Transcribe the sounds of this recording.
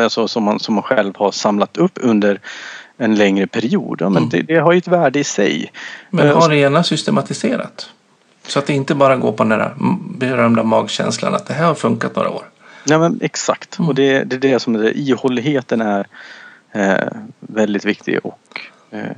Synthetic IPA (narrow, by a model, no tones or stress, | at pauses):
alsɔsɔmːansɔmːanɧɛlvhaɾsamlat̪ɵpːɵnd̪əɾɛnlɛŋɾəpʰæɾɪṵːd̪ja̰ːmɛnd̪ɛ̰d̪ɛɦaɾjʉɛt̪væːɖəɪsɛ̰jmɛhaɾeːnasʏst̪ɛmat̪ɪseːɾa̰t̪ | sɔat̪̚d̪ɛɪnt̪əbɑːɾaɡo̰ːɾpʰɔd̪ɛnæːɾa̰bɛɾœmd̪amɑːɡɕɛ̰nsla̰na̰t̪̚d̪ɛɦæɾhaɾfɵŋkat̪no̰ːɾʔa̰o̰ːɾ | jɑːmɛnɛksa̰kt̪ɔd̪ɛd̪ɛd̪ɛsɔmsɛ̰ʔiːhɔlːɪɦeːt̪ənæɾ | vɛld̪ɪt̪vɪk̚t̪ʰɪ̰ɡɔ̰k